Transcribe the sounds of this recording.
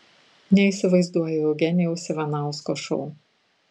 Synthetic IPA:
nʲɛiˑsʲɪʋɐɪzd̪uɔjɛɛʊɡʲɛnʲɛʊsʲɪʋʲɛnɑˑʊskoʃɔʊ

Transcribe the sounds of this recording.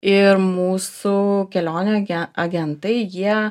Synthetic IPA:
ɪɾmuːsʊkʲɛlʲoːnʲoɐɡʲɛnt̪ɐɪjiɛ

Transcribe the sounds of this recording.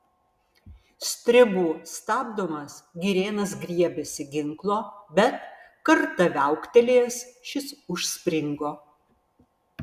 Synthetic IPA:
sʲt̪ʲɾʲɪbuːst̪ɑːbd̪omɐsɡʲiɾʲeːnɐsɡɾʲiɛbʲɛsʲɪɡʲɪŋklˠoːbʲɛt̪ | kɐɾt̪ɐʋʲæˑʊkt̪ʲɛlʲeːsʃʲɪsʊʃʲsʲpʲɾʲɪŋɡoː

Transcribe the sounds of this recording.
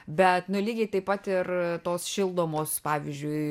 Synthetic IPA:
bʲɛt̪nʊlʲiːɡʲɛɪt̪ɐɪpɐt̪ɪrt̪oːsʃʲɪlˠd̪oːmoːspɑːʋʲizʲd͡ʒʲʊɪ

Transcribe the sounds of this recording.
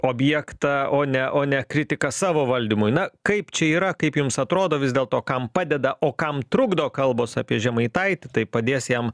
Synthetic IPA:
oːbʲjɛkt̪ɑoːnʲɛʔoːnʲɛkɾʲɪt̪ʲɪkɐsɑːʋoːʋɐlʲd̪ʲimʊjɪnɐkɐɪpt͡ʃʲɛiːɾɐkɐɪpjʊmsɐt̪ɾoːd̪oːʋʲɪzd̪ʲeːlˠt̪oːkɐmpɑːd̪ʲɛd̪ɐʔoːkɐmt̪ɾʊɡd̪ɐoːkɐlˠboːsɑ̰ːpʲiɛʒʲɛmɐɪt̪ɐɪt̪ʲɪt̪ɐɪpɐd̪ʲeːsjɛm

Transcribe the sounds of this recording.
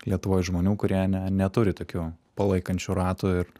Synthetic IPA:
lʲiɛt̪ʊʋoːjʒmoːnʲuːkʊɾʲiɛnʲɛnʲɛt̪ʊɾʲɪt̪oːkʲuːpɐlˠɐɪkɐnʲt͡ʃʲʊɾɑːt̪uɪɾ

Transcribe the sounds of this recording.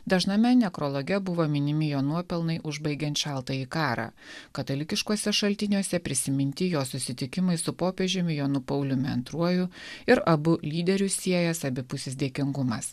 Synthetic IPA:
d̪ɐʒnɐmʲɛnʲɛkɾɔːlˠoːɡʲɛbʊʋomʲɪnʲɪmʲɪjoːnuɔpʲɛlˠnɐɪʔʊʒbɐɪɡʲɛnt̪ʃʲɛlˠt̪ɐikɑːɾɑ̰ːkɐt̪ɐlʲɪkʲɪʃkuɔsʲɛʃɐlʲt̪ʲɪnʲuɔsʲɛpʲɾʲɪsʲɪmʲɪnʲt̪ʲɪjoːsʊsʲɪt̪ʲɪkʲɪmɐɪsʊpoːpʲeʒʲɪmʲɪjoːnʊpɐʊlʲʊmʲɪɐ̰nt̪ɾuɔjʊɪɾɐbʊlʲiːd̪ʲɛɾʲʊsʲiɛjɛsɐbʲɪpʊsʲesd̪ʲiɛkʲɪŋɡʊmɐs

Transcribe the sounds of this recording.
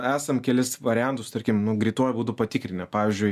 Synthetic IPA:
æːsɐmkʲɛlʲɪsʋɐɾʲɪjɛnt̪ʊst̪ɐɾʲkʲɪmnʊɡɾʲiːt̪oɔjbuːt̪ʊpɐt̪ʲɪkɾʲɪnʲɛpɑːʋʲizʲd͡ʒʲʊɪ

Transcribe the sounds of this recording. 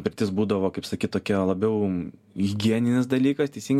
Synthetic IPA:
pʲɪɾʲt̪ʲɪsbuːd̪ɐʋoːkɐɪpsɐkʲiːt̪oːkʲilˠɐbʲɛʊ | ɪɡʲiɛnʲɪnʲɪsd̪ɐlʲiːkɐst̪ʲɛɪsʲɪŋɡ

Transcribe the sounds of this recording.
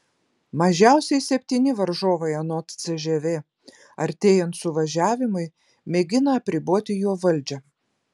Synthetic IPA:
mɐʒʲæˑʊsʲɛɪsʲɛpʲt̪ʲiːnʲɪʋɐɾʒoːʋɐɪɐnoːt̪t̪sʲɛʒʲɛʋʲeː | ɐɾʲt̪ʲeːjɛnt̪sʊʋɐʒʲæːʋʲɪmʊɪ | mʲɛɡʲɪnɐɐpʲɾʲɪboɔt̪ʲɪjoːʋɐlʲˑd͡ʒʲɛ

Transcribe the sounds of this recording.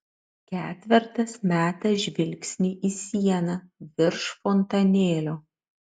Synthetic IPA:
kʲæːt̪ʲʋʲɪɾt̪ɐsmʲæːt̪ɐʒʲʋʲɪlʲksʲnʲɪʔiːsʲiɛnɐʋʲɪɾʃfɔnt̪ɐnʲeːlʲoː

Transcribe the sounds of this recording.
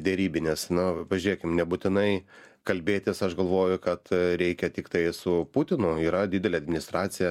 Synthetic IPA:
d̪ʲɛɾʲiːbʲɪnʲesnʊpɐʒʲʊɾeːkʲɪmnʲɛbʊt̪ʲɪnɐɪkɐlʲbʲeːt̪ʲɪsɐʃɡɐlˠʋoːjʊkɐt̪ɾʲɛɪkʲɛt̪ʲɪkt̪ɐɪsʊput̪ʲɪnʊiːɾɐd̪ʲɪd̪ʲɛlʲɛɐd̪ʲmʲɪnʲɪst̪ɾɑːt͡s̪ʲɪjɛ

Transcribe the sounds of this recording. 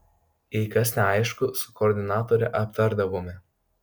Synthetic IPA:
ɛɪkɐsnʲɛɐɪʃkʊsʊ̥kɔːɾʲd̪ʲɪnɑːt̪oːɾʲɛʔɐpt̪ɐɾd̪ɐʋoːmʲɪ

